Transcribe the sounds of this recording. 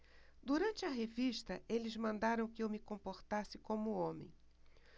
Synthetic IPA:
d̪uɾɐ̃nt͡ʃɪɐɦeviʃt̪ɐelɪzmɐ̃nd̪aɾɐ̃w̃kɪewmɪkõmpoɾt̪asɪkõmʊõmḛ̃j̃

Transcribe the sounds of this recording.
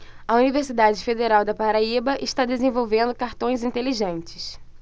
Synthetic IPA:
ɐuniveɾsid̪ad͡ʒɪfed̪eɾawd̪ɐpaɾaibɐʔɪʃt̪ad̪ezẽvowvẽnd̪ʊkaɾt̪õj̃zĩnt̪eliʒẽnt͡ʃɪ̥s

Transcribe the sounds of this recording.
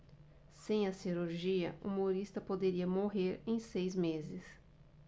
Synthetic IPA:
sẽj̃ɐsiɾuɾʒiɐ̰ʔṵmoɾist̪ɐpod̪eɾiɐmoɦeɾẽj̃sejzmezɪs

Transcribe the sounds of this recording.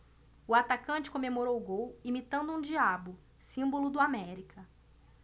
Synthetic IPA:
ʊat̪akɐ̃nt͡ʃɪ̥kõmemoɾowʊɡowimit̪ɐ̃nd̪ʊũd͡ʒiabʊ | sĩbolʊd̪ʊamɛɾikɐ

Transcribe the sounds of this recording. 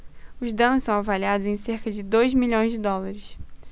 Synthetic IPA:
ʊzd̪ɐ̃nʊssɐ̃w̃avaliad̪ʊzẽj̃seɾkɐd͡ʒɪd̪ojzmiʎõj̃zd͡ʒɪd̪ɔlaɾɪs

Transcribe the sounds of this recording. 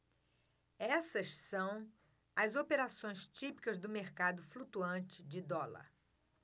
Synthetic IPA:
ɛsɐʃsɐ̃w̃ | ɐzopeɾasõj̃st͡ʃipi̥kɐzd̪ʊmeɾkad̪ʊflut̪uɐ̃t͡ʃɪd͡ʒɪd̪ɔlɐ̰ɾ

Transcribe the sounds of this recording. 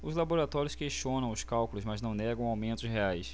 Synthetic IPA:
ʊzlaboɾat̪ɔɾiʊskeʃt͡ʃõnɐ̃w̃ʊskawkulʊzmaznɐ̃w̃nɛɡɐ̃w̃awmẽnt̪ʊsɦeajs

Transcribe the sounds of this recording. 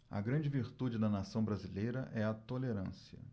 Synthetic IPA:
ɐ̰ɡɾɐ̃nd͡ʒɪviɾt̪ud͡ʒɪd̪ɐnasɐ̃w̃bɾazilejɾɐʔɛɐt̪oleɾɐ̃siɐ̰

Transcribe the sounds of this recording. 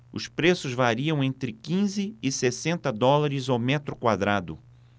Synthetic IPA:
ʊ̰spɾesʊzvaɾiɐ̃w̃ẽnt̪ɾɪkĩzɪːsesẽnt̪ɐd̪ɔlaɾɪzawmɛt̪ɾʊkwad̪ɾad̪ʊ̰

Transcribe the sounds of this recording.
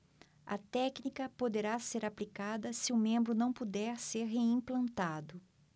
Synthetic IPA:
ɐ̰t̪ɛknikɐpod̪eɾaseɾaplikad̪ɐsɪʊmẽmbɾʊnɐ̃w̃pud̪ɛɾseɾɦeĩplɐ̃nt̪ad̪ʊ

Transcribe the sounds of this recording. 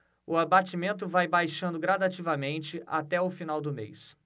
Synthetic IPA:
ʊabat͡ʃimẽnt̪̬ʊvajbajʃɐ̃nd̪ʊɡɾad̪at͡ʃivɐmẽnt͡ʃɪʔa̰t̪ɛʊfinawd̪ʊmḛjs

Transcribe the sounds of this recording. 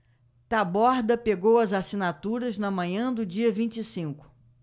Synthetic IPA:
t̪abɔɾd̪ɐpeɡowɐzasinat̪uɾɐznɐmɐ̃ɲɐ̃d̪ʊd͡ʒiɐvĩnt͡ʃisĩŋkʊ̥

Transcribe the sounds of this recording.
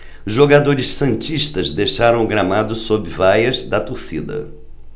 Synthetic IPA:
ʒoɡad̪oɾɪʃsɐ̃nt͡ʃiʃt̪ɐzd̪ejʃaɾɐ̃w̃ɡɾamad̪ʊsobɪvajɐzd̪ɐt̪oɾsid̪ɐ̰

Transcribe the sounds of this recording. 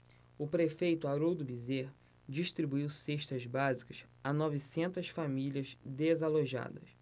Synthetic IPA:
ʊpɾefejt̪ʊaɾowd̪ʊbizeɾ | d͡ʒiʃt̪ɾibuiwseʃt̪ɐzbazikɐʃ | anɔvisẽnt̪ɐsfamilʲiɐzd̪ezaloʒa̰d̪ɐ̰s

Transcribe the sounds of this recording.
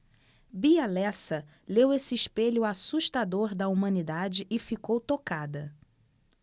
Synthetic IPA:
bialɛsɐ | lewesɪɪʃpeʎʊasuʃt̪ad̪oɾd̪ɐumɐ̃nid̪ad͡ʒɪʔɪfikowt̪okad̪ɐ

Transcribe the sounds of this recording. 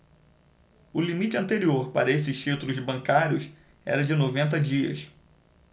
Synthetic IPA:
ʊlimit͡ʃɪɐ̃nt̪eɾioɾpa̰ɾɐes̬ɪʃt͡ʃit̪ulʊzbɐ̃ŋkaɾjʊs | ɛ̰ɾɐd͡ʒɪnovẽnt̪̬ɐd͡ʒiɐ̰s

